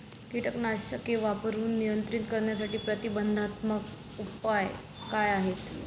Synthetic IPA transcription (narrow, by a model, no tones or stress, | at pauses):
kiʈəknaɕəkeʋapəɾuːnːijənt̪ɾint̪kəɾɳjasaʈiːpɾət̪ibənd̪ʱat̪mək | upaj | kajaɦet̪